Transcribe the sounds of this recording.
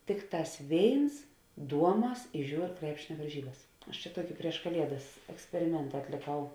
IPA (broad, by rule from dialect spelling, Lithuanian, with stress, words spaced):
ˈtʲɪkˌtɑːs ˈʋʲeːɪns ˈduɔˌmɐs ɪ ˈʒʲuːr ˈkrʲæːpʲʃʲɪnʲɛ ʋɐrʲˈʒʲiːbɐs ɐʃ t͡ʃʲɛ ˈtuɔkʲɪ pʲrʲiɛʃ kɐˈlʲiɛdɐs ɛksʲpʲɛrʲɪˈmʲɛntɐ ɐtʲlʲɪˈkɐʊ